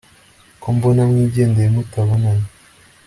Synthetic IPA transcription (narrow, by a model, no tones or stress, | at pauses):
kombonamŋiːɟeːndejemutaβonaɲa